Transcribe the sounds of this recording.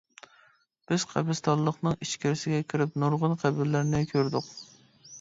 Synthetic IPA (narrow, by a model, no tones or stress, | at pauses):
b̥ɪz̥qʰæ̰bɪst̪ʰɑllˠəχnɨŋiʃkʲɪɾɪsɪɡʲɛkʲʰiɾɪpnuɾʁʊnqʰæbɪɾlæɾnɪkʲʰøɾd̪ʊq